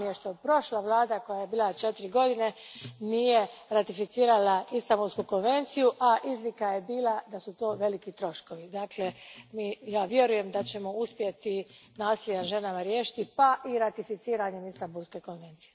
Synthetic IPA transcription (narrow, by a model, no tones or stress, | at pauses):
eʃt̪opɾo̞ʃlaʋlˠaːd̪ako̞jajebiːlat͡ʃe̞t̪iɾiɡo̞d̪ine̞nije̞ɾat̪ifit̪siːɾalaist̪ambulskuko̞nʋe̞nt̪sijuʔaʔizlikaje̞biːlad̪asut̪o̞ːʋe̞likit̪ɾo̞ʃko̞ʋid̪aːkle̞miːjaːʋje̞ɾuje̞md̪at͡ɕe̞mo̞uspjet̪inaːslʲed̪anʒe̞namaɾjeːʃi̥t̪ipaʔiɾat̪ifit̪siːɾaɲe̞mist̪ambulˠske̞ko̞nʋe̞nt̪sije